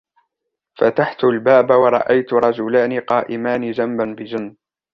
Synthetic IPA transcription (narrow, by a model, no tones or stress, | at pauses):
fat̪aħt̪ʊlbaːbawɑɾˤɑ̰ʔajt̪ʊɾˤɑd͡ʒʊlaːniqɑːʔɪmaːnɪd͡ʒambanbɪd͡ʒɪnː